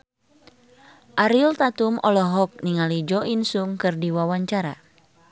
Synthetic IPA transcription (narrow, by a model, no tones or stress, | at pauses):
ʔaɾilt̪at̪umɔlɔɦɔk̚niŋalid͡ʒɔʔinsuŋkɨrdiwawaɲt͡ʃaɾa̰